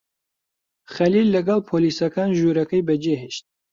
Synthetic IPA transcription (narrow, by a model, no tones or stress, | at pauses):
χɐlilːɐɡɑlˠpʰoːlisɐkaːnʒuɾɐkɐjbɐd͡ʒeɦeʃt̪̚